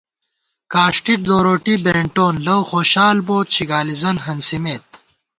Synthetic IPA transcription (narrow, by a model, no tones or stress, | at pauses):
kaːʂʈiʈ̚d̪oːɾoːʈibeːɳʈoːnlɐwxoːɕaːlboːt̪̚t͡ɕʰiɡaːlizɐnɦɐnsimeːt̪̚